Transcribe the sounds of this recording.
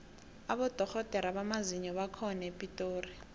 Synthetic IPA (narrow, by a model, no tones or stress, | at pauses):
aɓɔd̥ʱɔxɔd̥ʱɛɾaɓamaziɲɔɓakʰɔnapʼitʼoːri